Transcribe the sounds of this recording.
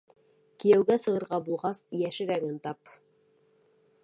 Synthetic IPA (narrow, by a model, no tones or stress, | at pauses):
kijæwɡæsɤ̆ʁɤ̆ɾʁɑbulˠʁɑsjæʃɘ̆ɾæɡɘnt̪ɑp